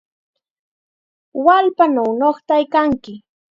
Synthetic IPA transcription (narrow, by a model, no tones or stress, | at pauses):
walpanawnoχt̪ajkaŋkɪ